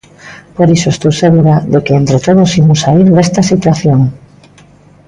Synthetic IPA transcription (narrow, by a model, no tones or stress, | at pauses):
poɾisoest̪owseɣuɾaðekeent̪ɾet̪oð̞osimʊsaiɾðest̪ɐsit̪waθjoŋ